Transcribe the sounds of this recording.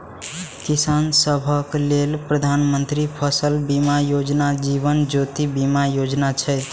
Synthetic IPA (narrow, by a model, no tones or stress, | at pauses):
kisansəbʱəklelpɾəd̪ʱanmənt̪ɾipʰəsəlbimajod͡ʒnad͡ʒiβənd͡ʒot̪ibimajod͡ʒnat͡ʃʰɛ